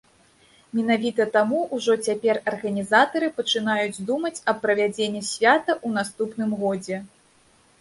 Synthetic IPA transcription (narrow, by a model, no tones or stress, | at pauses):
mʲɛn̪avʲit̪ɐt̪amuʔuʐɔt͡sʲapʲɛrɐrɣɐnʲizat̪ɐɾɨpɐt͡ʂɨn̪ajud͡zʲd̪umɐt͡sʲɐpːɾɐvʲad͡zʲenʲːɛsʲvʲat̪ɐʔun̪ast̪upnɨmɣɔd͡zʲɛ